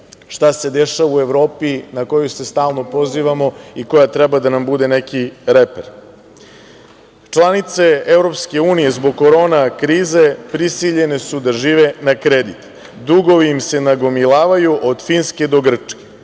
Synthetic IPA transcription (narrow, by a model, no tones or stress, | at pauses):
ʃt̪ase̞d̪eʃaʋaue̞ʋɾo̞ːpinako̞juse̞st̪aːlˠno̞po̞ziːʋamo̞iko̞jat̪ɾɛbad̪anambud̪ene̞kiɾepeɾ | t͡ʃlˠanit̪se̞evɾo̞pske̞uːnije̞zbo̞ɡ̚koɾo̞ːnakɾiːze̞pɾisiʎe̞ne̞sud̪aʒiːʋenakɾed̪it̪ | d̪ɾuɡo̞ʋiimse̞naɡo̞milˠaːʋajuʔod̪finske̞d̪o̞ɡr̩t͡ʂke̥